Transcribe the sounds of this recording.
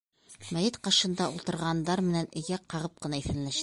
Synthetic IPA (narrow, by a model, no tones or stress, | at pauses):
mæjɘt̪qɑʃɤ̆nd̪ɑulˠt̪ɤ̆ɾʁɑnd̪ɑɾmɘ̆nænɵ̆jæqɑʁɤp̚qɤ̆nɑiθɘ̆nlæʃ